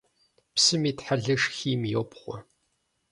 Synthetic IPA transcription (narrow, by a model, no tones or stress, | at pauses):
psɨmiːtħaɮɐʂxiːmjopʰχʷɔ̰